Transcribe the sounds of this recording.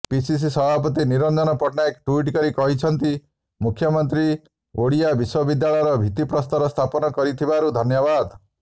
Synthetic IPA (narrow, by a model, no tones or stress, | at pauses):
pisis̬isɔbʱapɔt̪iniɾɔnd͡ʒɔnɔpɔʈnaekʈuiʈkɔɾikɔɦit͡ʃʰɔnt̪i | mukʰːjɔmɔnt̪ɾi | oɽijabiswɔbid̪jaɭɔjɾɔbʱit̪ipɾɔst̪ɔɾɔst̪ʰapɔnɔkɔɾit̪ʰibaɾud̪ʱɔnjɔβad̪